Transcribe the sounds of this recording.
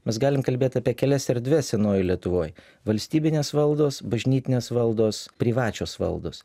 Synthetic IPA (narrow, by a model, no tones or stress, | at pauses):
mʲɛsɡɑːlʲɪmkɐlʲbʲeːt̪ʲɑpʲiɛkʲɛlʲɛsʲɛɾʲd̪ʲʋʲɛsʲɛnoːjlʲiɛt̪ʊʋoːj | ʋɐlʲsʲt̪ʲiːbʲɪnʲeːsʋɐlˠd̪oːsbɐʒʲnʲiːt̪ʲɪnʲeːsʋɐlˠd̪oːspʲɾʲiʋɑːt͡ʃʲoːsʋɐ̰lˠd̪o̰ːs